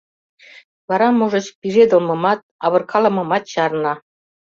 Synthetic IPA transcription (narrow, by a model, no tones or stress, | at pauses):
βɑɾɑmuʒɤ̆t͡ɕpiʒed̪ŏlmɤ̆mɑt̪̚ɑβɤ̆rkʰɑlɤ̆mɤ̆mɑt̪ɕɑrnɑ